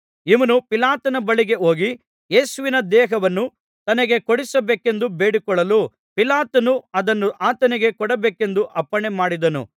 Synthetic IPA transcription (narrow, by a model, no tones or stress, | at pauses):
iʋɐnupilaːt̪ɐnɐbɐɭiɡe̞o̞ːɡi | jeːsuʋinɐd̪ɛːɦɐʋɐnːu | t̪ɐnɐɡe̞koɽisɐbeːke̞nd̪ubeːɽikɔɭːɐlu | pilaːt̪ɐnuɐd̪ɐnːuʔaːt̪ɐniɡe̞kɔɽɐbeːke̞nd̪uʔɐpːɐɳemaːɽid̪ɐnṵ